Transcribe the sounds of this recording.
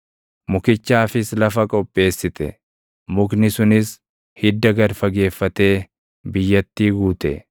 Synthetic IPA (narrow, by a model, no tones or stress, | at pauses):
mʊkɪt͡ʃːaːfɪslɐfɐkʼɔpʼːe̞ːsːɪt̪ɛ̰ | mʊɡnɪsʊnɪs | hɪd̪ːɐɡɐɾfɐɡe̞ːfːɐt̪e̞ː | bɪjːɐt̪ːiːɡuːt̪ɛ